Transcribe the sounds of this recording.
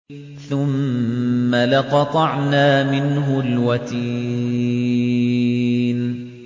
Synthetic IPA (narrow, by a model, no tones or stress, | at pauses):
θʊmː | alaqɑt̪ˤɑʕnaːmɪnɦʊlwat̪iː | n